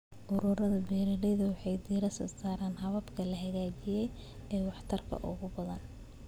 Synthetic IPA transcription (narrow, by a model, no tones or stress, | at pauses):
ʔʊɾʊːɾɐðɐbɛːɾɐlɛjðɐwɑħɑjd̪iːɾɐsɔ̰ːsaːɾaːnɦɐβɐbkʰɐlɐɦɐɣaːt͡ʃɪjɛj | ɛːwɑħt̪ʰɐrkʰɐ̰ʔʊ̰ɣʊbɐðɐn